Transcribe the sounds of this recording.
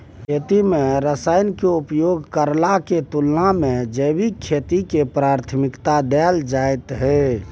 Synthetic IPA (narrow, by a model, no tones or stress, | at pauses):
kʰet̪imeɾəsaɪnkeupjoɡkəɾlaket̪ulnamẽd͡ʒəjbikʰːet̪ikepɾaɾt̪ʰmikt̪ad̪ɛld͡ʒajt̪ɦɛ